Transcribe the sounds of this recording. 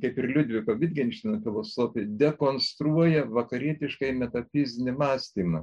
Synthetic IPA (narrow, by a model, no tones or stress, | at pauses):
kɐɪpɪrlʲʊd̪ʲʋʲɪkoːʋʲɪd̪ʲɡʲɛnʲʃʲt̪ʲɪnɐfʲɪlˠoːsoːfʲɪd̪ʲɛkoːnst̪ɾuɔjɛʋɐkɐɾʲiɛt̪ʲɪʃkɐɪmʲɛt̪ɐpʲɪzʲnʲɪmɑːsʲt̪ʲiːmɐ